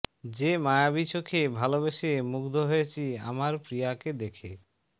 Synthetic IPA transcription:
d͡ʑemajabit͡ɕʰokʰebʱalobeʃemukd̪ʱoɦojet͡ɕʰia̰maɾpɾijaked̪ekʰe

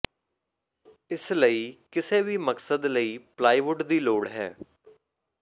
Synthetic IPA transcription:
ɪsləiːkɪseːʋiːməksəd̪ləiːplaːiːʋʊɖd̪iːloːɽɦɛ̰ː

